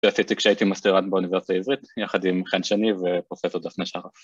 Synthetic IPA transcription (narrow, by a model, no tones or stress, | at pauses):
asit̪ikʃeaitimast̪iʁatbeunivesit̪aizʁit̪jaχad̪imχenʃenivepʁofesoʁd̪afneʃaχaf